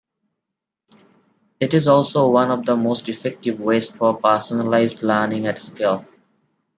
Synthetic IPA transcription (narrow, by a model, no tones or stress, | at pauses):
ɪʈɪzɔːlsoːʋʌ̃nɔʋd̪əmoːsʈɪfɛk̚ʈɪʋweːzfɔɾpəːsənəlaɪzɖləːnɪ̃ŋæʈskel